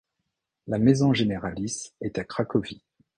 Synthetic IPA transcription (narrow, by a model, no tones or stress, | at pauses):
lamezɔ̃ʒeneʁalisɛt̪akχakɔvi